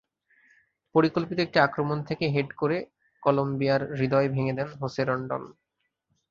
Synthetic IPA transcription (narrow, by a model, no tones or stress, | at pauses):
poɾikolpit̪oek̚ʈiakɾomont̪ʰekeɦeʈkoɾe | kɔlombijaɾːid̪ɔebʱeŋed̪ɛnɦoseɾɔɳɖɔ̰n